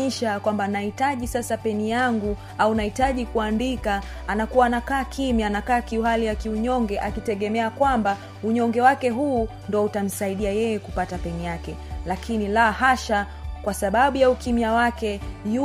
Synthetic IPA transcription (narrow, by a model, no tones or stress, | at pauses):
iʃakwambanahitaʄisasapɛnijaŋɡu | aunahitaʄikuandikaː | nakuwaːnakaːkʰimianakaːkiuhalijakiuɲɔŋɡɛʔakitɛɠɛmɛakwamba | uɲɔŋɡɛwakɛɦuː | ndɔutam̩saiɗiajɛjɛkupatapɛnijakɛlakinilahaʃa | kwasaɓaɓujaukimiawakɛju